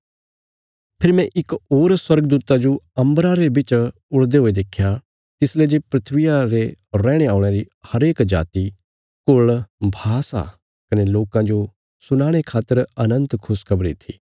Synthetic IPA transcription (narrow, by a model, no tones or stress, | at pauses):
pʰɪɾimɛ̃ʔɪkoːɾswɐɾɡəd̪uːt̪ad͡ʒoɐ̃mbɾaɾebɪt͡ʃ | ʊɽd̪eɦoːed̪eːkʰːja | t̪ɪsled͡ʒepɾɪt̪ʰʋɪjaɾeɾːɛːɽ̃eaːʊɽ̃eɾihɐɾeːkd͡ʒa̰ːt̪i | kʊɭbʱaːsa̰ | kɐneloːkãd͡ʒo | sʊnaːɽ̃ekʰaːt̪əɾɐnə̃nt̪kʰʊskʰɐbɾḭt̪ʰḭː